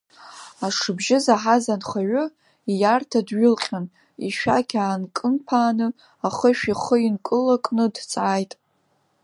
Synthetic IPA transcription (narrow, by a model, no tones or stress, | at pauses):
aʂɨbʒɪzaħazanχaɥʊ | ijartʰadɥʊlqʲʼan | iʃᶣaɡʲaːnkʼɨmpʰaːnɨ | aχəʃᶣiχəinkʼɨlakʼnɨdt͡sʼʕajtʼ